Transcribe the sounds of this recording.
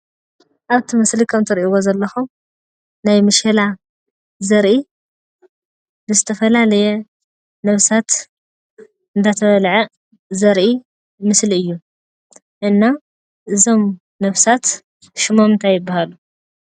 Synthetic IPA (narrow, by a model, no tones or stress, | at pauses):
ʔaβt̪ʰimɨslikʰɐmt̪ʰɨɾʔiwozɐlːɐxum | najmɨʃɐla | zɐɾʔi | bɨzɨt̪ʰɐfɐlalɐjɛ | nɐβsat̪ | ɨnd̪at̪ʰɐβɐlʕɐ | zɐɾʔi | mɨsliɨjːu | ʔɨnːa | ʔɨzo̞m | nɐβsat̪ | ʃɪmomɨnt̪ʰajːɪbːahalu